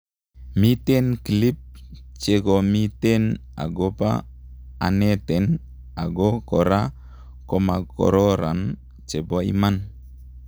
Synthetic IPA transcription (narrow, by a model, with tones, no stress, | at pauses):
mi˦te˦nki˨li˦p̚t͡ʃe˨ɡo˨mi˦te˦n | a̰˨ɡo˦pa̰ː˦˨ | ne˦tɛ˨n | a˨ɡo˦kɔ˨ɾa˦ | ko˨ma˨kɔ̰˨ɾɔ˦ɾa˨n | t͡ʃe˨bɔ˦ḭ˦ma˦n